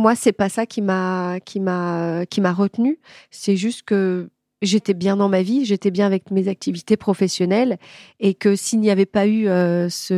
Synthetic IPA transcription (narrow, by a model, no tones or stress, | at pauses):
mwasɛpasakʲimakʲʰimaøkʲimaʁət̪nysɛʒyst̪kə | ʒet̪ɛbjɛ̃d̪ɑ̃maviʒet̪ɛbjɛ̃avɛkmezak̚t̪ʰivit̪epχɔfɛsjɔnɛlekəsilnijavɛpayøsə